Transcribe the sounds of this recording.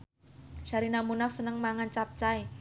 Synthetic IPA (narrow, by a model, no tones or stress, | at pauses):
ʃaɾinamunafsənəŋmaŋant͡ʃap̚t͡ʃae